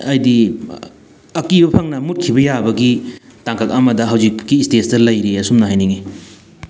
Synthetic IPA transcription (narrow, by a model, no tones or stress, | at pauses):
ɐjdi | ɐkibɐpʰaŋnɐmut̚kʰibɐjabɐɡitaŋkak̚ɐmɐdɐɦawzik̚kːistestɐlɐjɾiɐsumnɐɦajniŋi